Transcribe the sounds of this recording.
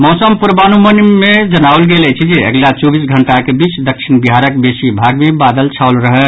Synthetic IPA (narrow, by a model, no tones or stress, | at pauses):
mɔsəmpuɾbanumənimed͡ʒənaolɡelɛt͡ʃʰid͡ʒiə̰ɡlat͡ʃobisɡʱəɳʈakebit͡ʃd̪əkʃʰinbiɦaɾəkbesibʱaɡmebad̪əlt͡ʃʰaʊlɾəɦɛ